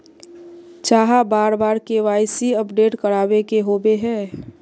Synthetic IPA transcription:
t͡ʃaːɦabaːɾbaːɾkeʋaːɪsiəpɖeːʈkəɾaːbekeɦoːbeɦɛ̃ː

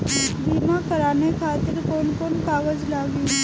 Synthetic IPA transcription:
biːmãkəɾaːnekʰaːt̪ɪɾkoːnkoːnkaːʋəd͡ʒlaːɡi

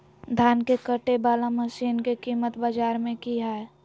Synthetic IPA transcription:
d̪ʱaːnkekəʈebaːlaməʃiːnkekiːmət̪baːd͡ʒaːɾmẽkiɦaɛ

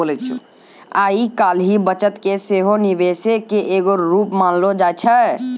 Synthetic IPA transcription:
olɛt͡ʃʰu | aːikaːlɦibət͡ʃət̪keseːɦoniʋesekeʔeɡoɾuːpmanlod͡ʒaːt͡ʃʰə

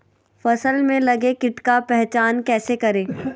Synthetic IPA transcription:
fɐsəlmẽlɐɡekɪʈkapɛɦt͡ʃaːnkɛːsekɐɾẽː

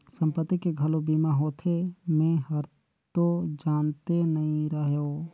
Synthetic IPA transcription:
sə̃mpət̪ːikeɡʱɐlobiːmaɦoːt̪ʰemẽɦɐɾ | t̪od͡ʒaːnt̪enɐɦĩɾəɦoː

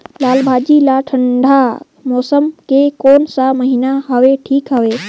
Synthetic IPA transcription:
laːlbʱaːd͡ʒilaʈʰə̃ɳɖʱa | mɔːsəmkekoːnsaməɦɪnaɦəʋeʈʰiːkɦəʋeː

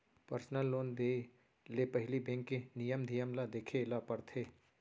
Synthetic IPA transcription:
pəɾsnəlːoːnd̪e | lepəɦɪlibɛ̃ːŋkːenijəmd̪ʱijəmlad̪eːkʰelapəɾt̪ʰeː

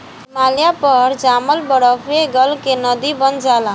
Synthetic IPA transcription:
maːlijapəɾd͡ʒaːməlbəɽɔfeɡəlkenəd̪ibənd͡ʒaːla

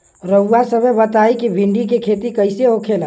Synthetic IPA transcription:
ɾəuːasəbʱebət̪aikibʱiɳɖikekʰet̪ikəɪseɦokʰel

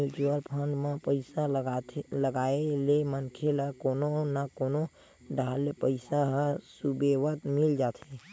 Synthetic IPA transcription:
jut͡ʃuəlpʰə̃ɳɖmẽpəɪsa | ləɡaelemənkʰeləkononakono | ɖʱalːepəɪsaɦəsubeʋət̪mɪld͡ʒat̪ʰe

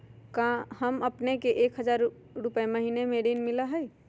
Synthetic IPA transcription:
kãhəməpnekeʔekɦəd͡ʒaɾ | ɾupeməɦinemeɖinmiləɦəj

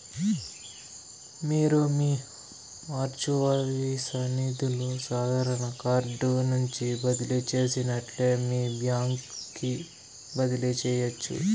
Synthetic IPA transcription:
miːɾumiː | aːɾt͡ʃuʋaʋisɐniːt̪ilusaːd̪ʱaːɾɐɳɐkaːɾɖunuɲt͡ʃibɐd̪ilit͡ʃe̞ːsinɐʈle̞ːmiːbjaːŋkkːi | bɐd̪ilit͡ʃɛːjɐt͡ʃːṵ

